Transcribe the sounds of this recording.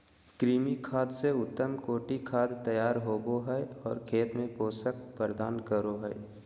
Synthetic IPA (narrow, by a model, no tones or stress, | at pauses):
kɾiːmikʰaːd̪seʊt̪ːəmkoːʈikʰaːd̪t̪əjaːɾɦoːboɦɛjɔːɾkʰeːt̪mẽpoːsək̚pəɾd̪aːnkəɾoɦɛj